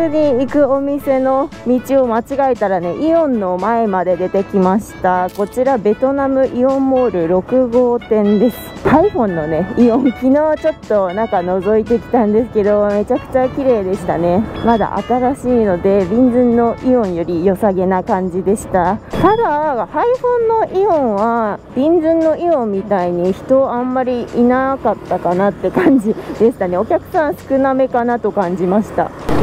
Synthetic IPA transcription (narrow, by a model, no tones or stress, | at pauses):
ɨːɲ̟iikɯ̟o̞mʲise̞no̞mʲit͡ɕio̞mat͡ɕiɡaet̪aɾane̞ʔiõ̞nːo̞mae̞mad̪e̞d̪e̞t̪e̞kʲimaɕi̥t̪ako̞t͡ɕiɾabe̞t̪o̞namɯ̟ʔiõ̞mːoːɾɯ̟ɾo̞kɯ̟ɡo̞ːt̪ẽ̞nd̪e̞sɨ̥ | aiɸõ̞nːo̞ne̞iõ̞ŋkʲino̞ːβat͡ɕo̞t̪ːo̞nãŋkano̞zo̞it̪̬e̞kʲi̥t̪ãnd̪e̞sɨ̥ke̞d̪o̞me̞t͡ɕakɯ̟̥t͡ɕakʲiɾe̞ːd̪e̞ɕi̥t̪ane̞mad̪a̰ʔa̰t̪aɾaɕiːno̞d̪e̞bʲĩnd͡zɨ̃nːo̞ʔiõ̞ɰ̃jo̞ɾʲijo̞saɡe̞nakãɲ̟d͡ʑid̪e̞ɕi̥t̪at̪ad̪ahaiɸõ̞nːo̞ʔiõɰ̃βab̥ʲĩnd͡zɨ̃nːo̞iõ̞mʲːit̪aiɲ̟içi̥t̪o̞ãmːaɾʲiinakat̪ːakanat̪ːe̞kãɲ̟d͡ʑid̪e̞ɕi̥t̪ane̞o̞kʲakɯ̟̥sãɰ̃sɨ̥kɯ̟name̞kanat̪o̞kãɲ̟d͡ʑimaɕi̥t̪a̰